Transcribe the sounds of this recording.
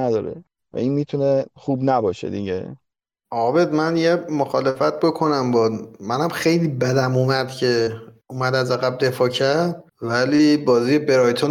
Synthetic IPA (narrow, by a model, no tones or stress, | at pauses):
æd̪ɒːɾḛ | væ̰inmiːt̪ʰuneχuːbnæbɒːʃḛd̪iɟḛ | ɒːbe̞d̪mænjemoxɒːlefæt̪̚ʰbo̞kʰo̞næmbɒmænæmxe̞jliːbæd̪æmumæd̪̥cʰe̞ | uːmæd̪æzæɣæb̚d̪e̞fɒːcʰæɾd̪̥̚ | væliːbɒːziːjebe̞ɾɒːjt̪ʰo